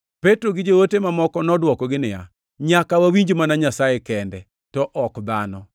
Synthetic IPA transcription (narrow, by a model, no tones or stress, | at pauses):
petɾoɡɪd͡ʒowotemamɔkɔnɔdwɔkɔɡɪnɪja̰ | ɲakawawiɲd͡ʒomanaɲasaekɛndɛ | tɔʔɔkd̪anɔ